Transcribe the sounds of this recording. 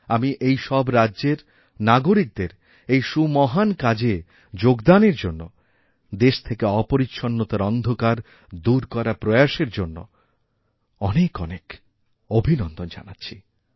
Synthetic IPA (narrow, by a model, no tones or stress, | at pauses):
amiʔejʃɔbɾadːʑeɾ | naɡoɾik̚d̪eɾ | ejʃumɔɦankad͡ʑe | d͡ʑoɡd̪aneɾd͡ʑonːo̰ | d̪eʃt̪ʰekeɔpoɾitːʃʰonːot̪aɾɔnd̪ʱokaɾ | d̪uɾkɔɾapɾojaʃeɾd͡ʑonːo̰ | ɔnekɔnek | obʱinɔnd̪ond͡ʑa̰natːɕʰi